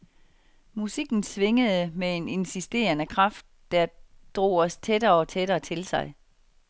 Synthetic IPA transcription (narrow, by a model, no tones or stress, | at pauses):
musiɡ̥n̩sʋe̝ŋəð̩ˠəmee̝ne̝nsisd̥e̝̰ːɐnəkʰʁɑ̈fd̥̚ːæɐd̥ʁo̝̰ːɒ̽st͡sʰed̥ɐːɒ̽t͡sʰeɾɐːt͡sʰe̝lsɑ̈ɪ